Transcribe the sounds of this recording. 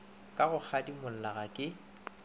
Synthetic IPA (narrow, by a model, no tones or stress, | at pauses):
kʼaɣʊk͡xʰadimʊl̩laɣakʼɪ